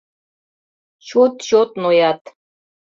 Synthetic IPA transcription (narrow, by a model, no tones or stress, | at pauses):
ɕut̪ɕot̪nojɑt̪